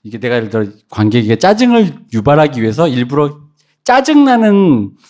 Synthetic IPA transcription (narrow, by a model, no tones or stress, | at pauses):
iɡe̞ne̞ɡaɯɭt͈ɯɾʌ | kwanɡe̞ɡe̞t͡ɕ͈ad͡ʑɯŋɯɭjubaɾɦaɡiɥiɦe̞sʰʌiɭbuɾo | t͡ɕ͈ad͡ʑɯŋnanɯn